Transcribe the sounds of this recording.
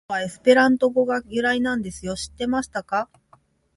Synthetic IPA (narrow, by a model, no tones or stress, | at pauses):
βae̞sɨ̥pe̞ɾãnt̪o̞ɡo̞ɡajɯɾainãnd̪e̞sɨjo̞ɕi̥t̪ːe̞maɕi̥t̪aka